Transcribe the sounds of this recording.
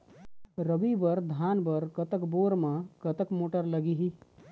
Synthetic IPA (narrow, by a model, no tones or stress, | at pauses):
ɾəbibəɾd̪ʱaːnbəɾkət̪əkboɾmãkət̪əkmoːʈəɾləɡiɦi